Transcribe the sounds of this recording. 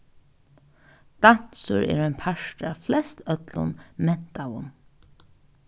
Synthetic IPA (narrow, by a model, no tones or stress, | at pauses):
d̪̥an̥sʊɾɛ̰ːɾanpʰaʃʈaflɛst̪œt̪lʊ̰nmɛn̥t̪awʊ̰n